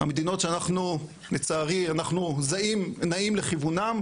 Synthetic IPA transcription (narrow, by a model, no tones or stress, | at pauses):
a̰med̪ino̞tʃeanaχnu | net͡saːʁianaχnuzaimnaimleχivunam